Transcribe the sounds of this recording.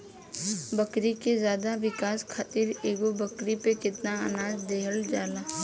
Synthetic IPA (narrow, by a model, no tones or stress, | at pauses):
bɐkɾikezjaːd̪aʋɪkaːskʰat̪iɾeːɡobɐkɾipekɪt̪naa̰naːd͡ʒd̪eːɦəld͡ʒaːlaː